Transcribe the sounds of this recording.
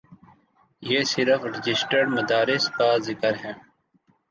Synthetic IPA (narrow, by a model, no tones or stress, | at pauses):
jeːsɪɾəfɾɪd͡ʒɪsʈəɖmɐd̪aːɾɪskazɪkəɾɦɛ̃ː